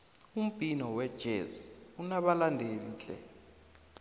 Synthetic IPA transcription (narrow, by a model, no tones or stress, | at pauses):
um̩b̥ʼʱinɔwɛd̥ʒ̥ʱeziunaɓalandʱeniːt͡ɬʼɛ̰